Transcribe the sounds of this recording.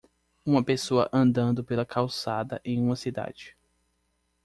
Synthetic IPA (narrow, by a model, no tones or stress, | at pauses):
ũmɐpesoɐ̰ʔɐ̃nd̪ɐ̃nd̪ʊpelɐkʰawsad̪ɐʔẽj̃ũmɐsid̪a̰d͡ʒɪ